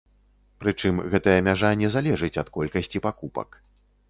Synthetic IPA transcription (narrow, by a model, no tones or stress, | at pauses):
pɾɨt͡ʂɨmɣɛt̪ɐjɐmʲaʐanʲɛzalʲɛʐɨt͡sʲɐt̪kɔlʲkɐsʲt͡sʲipakupɐ̰k